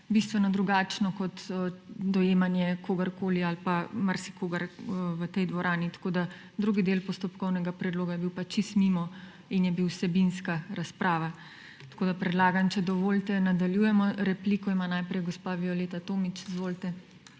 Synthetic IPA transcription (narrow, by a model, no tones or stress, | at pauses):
bist̪ʋɛnɔd̪ɾuɡaːt͡ʃnɔkɔt̪d̪ɔjeːmanjɛkoːɡɐɾkoːlialpamaɾsi̥kʰoːɡɐɾʋət̪ɛjd̪ʋɔɾʔaːnit̪ḁkoːd̪a | d̪ɾuɡid̪eːlpɔst̪ɔpkɔwnɛɡapɾɛd̪loːɡajɛbiwpat͡ʃist̪mimɔ | injɛbiwsɛbinskaɾaspɾʔaːʋa | t̪ḁkoːd̪apɾɛd̪laːɡant͡ʃɛd̪ɔʋoːlt̪ɛnad̪aljujɛmɔɾɛpliːkɔimanajpɾɛjɡɔspaʋiɔleːt̪at̪oːmit͡ʃizʋoːlt̪ɛ